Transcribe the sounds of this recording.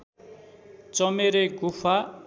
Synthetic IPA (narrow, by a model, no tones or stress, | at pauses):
t͡sʌmeɾeɡupʰa